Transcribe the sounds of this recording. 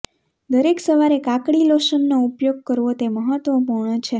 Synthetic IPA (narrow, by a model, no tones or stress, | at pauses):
d̪əɾeksəʋaɾekãkɽiloʃənːoupjoɡ̚kəɾʋot̪eməɦət̪ʋəpuɾɳət͡ʃʰe